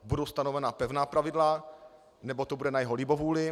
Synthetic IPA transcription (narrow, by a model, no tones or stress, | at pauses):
budowst̪anovɛnapɛvnaːpɾavɪdla | nɛbot̪obudɛnajɛɦolɪbovuːlɪ